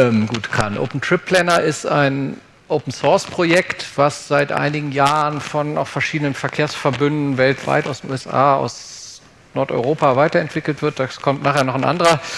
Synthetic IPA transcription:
ɛmɡuːtkʰanʔo̰ʊpn̩tʁ̥ɪpʰːlɛnɐʔɪsta̰ɪn | ʔoʊpn̩sɔɐspʁ̥ojɛktv̥asz̥aɪtʔa̰ɪnɪɡŋ̩jaːʁənfɔna̰ʊxfɛɐʃiːdənənfɛɐkʰeːɐsfɛɐbʏndn̩vɛltv̥a̰ɪtaʊsd̥enʔuːɛsʔa̰ːa̰ʊs | nɔɐtɔ̰ʏʁoːpavaɪtɐɛntv̥ɪkl̩tv̥ɪɐt̚d̥aːkʰɔmtnaːχeːɐnɔχnʔa̰ndəʁɐ

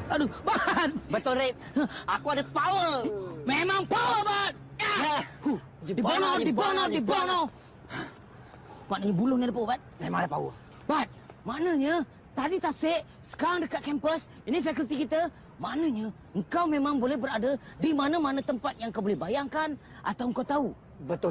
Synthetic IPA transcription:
adubat̪̚bat̪oɾep̚akuadapawəmemaŋpawəbat̪̚jahu | dibanadibanadibanaw | maʔnəɲabulʊhnidəpawəbat̪̚memaŋadapa̰wə̰ | bat̪̚maʔnə̃ɲə | t̪adit̪asɪʔ | sə̥kaɾaŋdəkat̪̚kɛmpəs | inifɛkult̪ikit̪ə | maʔnəɲa | əŋkawmẽmãŋbolɛhbəɾadadimanəmanãt̪əmpat̪̚jaŋkawbolɛhbajaŋkan | ʔa̰t̪awəŋkawt̪au | bət̪ʊ

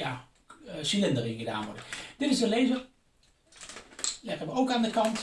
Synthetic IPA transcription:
ja | siləndərɪnɣəda̰ːnʋɔ̰dəd̥ɪtɪsdəlejvər | lɛχənʋəowkaːndəkɑnt

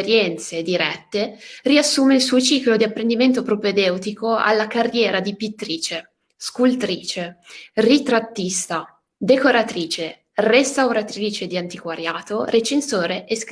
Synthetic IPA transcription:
ɾjɛnt̪sed̪iɾɛt̪ːeriasːuːmeilsuːot͡ʃiːklod̪iapːɾend̪iment̪opɾoped̪ɛwt̪ikoa̰lːakarːjɛːɾad̪ipit̪ːɾiːt͡ʃe | skult̪ɾiːt͡ʃerit̪ɾat̪ːist̪a | d̪ekoɾat̪ɾiːt͡ʃe | rest̪awɾat̪ɾiːt͡ʃed̪iant̪ikwaɾjaːt̪oɾet͡ʃensoːɾeʔesk

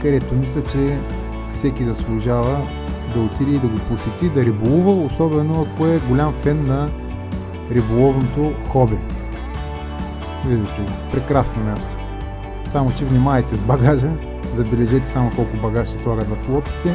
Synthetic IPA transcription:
kɐd̪ɛt̪omis̬lʲət͡ʃɛ | fsɛkʲizɐslˠʊʒavə | d̪ɐot̪iɾiːd̪ɐɡoposɛt̪id̪ɐɾibolˠuvəosɔbɛnoɐkoɛɡolʲamfɛnːɐ | ɾibolˠɔvnot̪oxɔbɛ | ɛd̪ɛʃt̪opɾɛkɾasnomʲast̪o̥ | samot͡ʃɛvnimaɛt̪ɛzbɐɡaʒə | zɐbɛlɛʒɛt̪ɛ̥samokɔlˠkʊbɐɡaʃɛslˠaɡət̪vɐsplˠɔt̪kʲi̥t̪ɛ

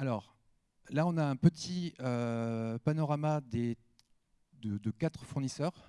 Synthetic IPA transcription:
alɔːʁ | laɔ̃naɛ̃pət̪ʰiøpanɔʁamad̪e | d̪əd̪əkat̪χfuʁnisœːʁ

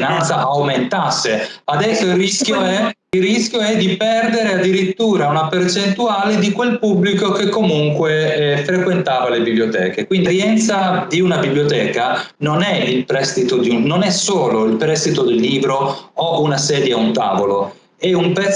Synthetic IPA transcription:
nant̪saʔawment̪asːead̪ɛsːoiriskjoɛ | ilrisk̟joɛd̪ipɛrd̪eɾead̪ːiɾit̪ːuːɾaunapert͡ʃent̪uaːled̪ikwelpubːlikokekːomuŋkwefɾekwent̪aːvalebibliot̪ɛ̰ːkekwind̪ɾjɛnt̪sad̪iunabibliot̪ɛːka | nonɛilpɾɛst̪it̪od̪iunonɛsoːloilpɾɛst̪it̪od̪elːiːbɾoounasɛːd̪jeaunt̪a̰ːvolo | ɛumpɛ

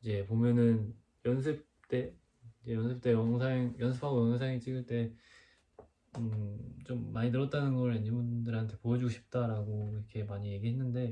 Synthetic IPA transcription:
id͡ʑe̞pomjʌnɯn | jʌns̬ʰɯp̚t͈e̞ | id͡ʑe̞jʌnsʰɯp̚t͈e̞jʌŋsʰaŋjʌnsʰɯ̥pʰaɡojʌŋʌŋs̬ʰajŋit͡ɕ͈iɡɯɭt͈e̞ | ɯt͡ɕomːaɲitɯɾʌt͈̚anɯnɡʌɾeɲɯnbundɯɾɦantʰe̞pojʌd͡ʑuɡoɕʰi̥p̚t͈aɾaɡoɾʌkʰe̞maɲije̞ɡiɦe̞nːɯnde̞

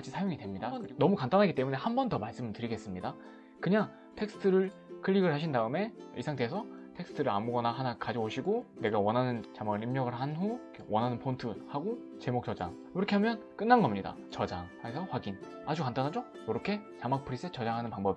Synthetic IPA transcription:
t͡ɕʰisʰajoŋidwemɲidanʌmukantdanɦaɡit͈e̞mune̞hambʌntʌmaɭs͈ɯmɯtɯɾiɡe̞s͈ɯmɲida | kɯɲaŋ | tʰe̞k̚s͈ʰɯ̥tʰɯɾɯɭ | kʰɯɭːiɡɯɭhaɕ̬ʰindaɯme̞ḭsʰaŋdesʰʌtʰe̞ks͈ʰɯ̥tʰɯɾɯa̰muɡʌnaɦanakad͡ʑʌoɕʰiɡone̞ɡawʌnɦanɯnt͡ɕamaɡɯɭimɲʌɡɯɭɦanɸukʰwʌnɦanɯnpʰontʰɯhaɡo | t͡ɕe̞mok̚t͡ɕʌd͡ʑa̰ŋkɯɾʌkʰe̞ɦamjʌn | k͈ɯnːanɡʌmɲida̰ | t͡ɕʌd͡ʑaŋhasʰʌɸwaɡin | ad͡ʑukantanɦad͡ʑo | joɾʌkʰe̞t͡ɕamak̚pʰɯɾis͈et͡ɕʌd͡ʑaŋɦanɯnpaŋbʌb

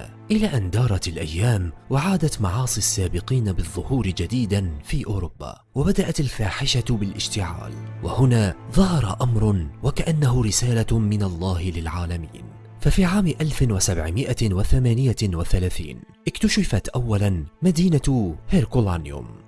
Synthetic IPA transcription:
ʔɪlaːʔand̪ɑːɾˤɑt̪alʔajːaːmwaʕaːd̪at̪mɑʕɑːsˤiʔasːaːbɪqiːnabɨðˤːʊhuːɾɪd͡ʒad̪iːd̪anfiːʔʊːɾʊbːa̰ː | wabad̪aʔat̪alfaːħɪʃabɪlʔɪ̰ʃt̪ɪʕa̰ːlwʔa̰hʊnaːðˤɑɦɑɾˤɑʔamɾˤʊwakaʔanːaɦʊɾɪsaːlamɪnalˤːɑːhɪlɪlʕaːlamḭːn | fafiːʕaːmʔalfɪwasabʕɪmɪʔawaθamaːnɪjawaθalaːθḭːnʔɪkt̪ʊʃɪfat̪ʔawːalanmad̪iːnahɪɾkʊlanjʊ̰m

